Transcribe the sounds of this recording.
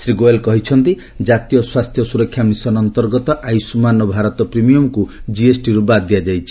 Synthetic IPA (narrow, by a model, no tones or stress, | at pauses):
sɾiɡoelkɔɦit͡ʃʰɔnt̪i | d͡ʒat̪ijɔswast̪ʰjɔsuɾɔkʰːjamisɔnɔnt̪ɔɾɡɔt̪ɔʔajsumanɔbʱaɾɔt̪ɔpɾimijɔmkud͡ʒiesʈiɾubad̪ijad͡ʒajt͡ʃʰi̥